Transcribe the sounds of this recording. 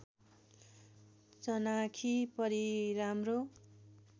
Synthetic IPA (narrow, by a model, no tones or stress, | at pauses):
t͡sʌnakʰipʌɾiɾamro